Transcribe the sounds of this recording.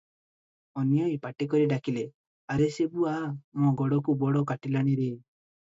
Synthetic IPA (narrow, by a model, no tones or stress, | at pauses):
ɔnjɔjpaʈikɔɾiɖakile | aɾesebuamõɡɔɽɔkubɔɽɔkaʈilaɽ̃iɾe